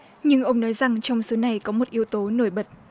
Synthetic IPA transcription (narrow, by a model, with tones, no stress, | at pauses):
ɲɨ˧ŋʔə˧wŋ͡mnɔ˨˦jza˨˩ŋt͡ɕɔ˧wŋ͡mso˨˦na˨˩jkɔ˨˦mo˨˩t̚ʔi˨˧əwt̪o˨˦no˧˩jɓə˨˩t̚